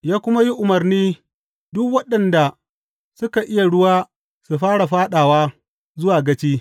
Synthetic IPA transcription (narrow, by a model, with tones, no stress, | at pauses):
jaː˦kʷʊ˦ma˦ji˦ʔʊ˨mɐ˨rniː˦ | dʊ˦kwɐ˦ɗɐ˨nda˨ | sʊ˦ka˨ʔɪ˦ja˨ɽʊ˦waː˦ | su˨ɸaː˦ɽa˨ɸaː˦ɗaː˨waː˦ | zʊ˦waː˨ɡɐ˦t͡ʃiː˦